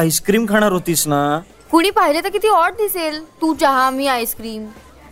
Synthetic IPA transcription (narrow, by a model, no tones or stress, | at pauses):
ajskɾiːmkʰaɽ̃aɾɦot̪iːsna | kuɽ̃iːpaɦilet̪ak̬it̪iːɔɾɖ̚d̪iselt̪ũːd͡ʑəɦãmiːajskɾiːm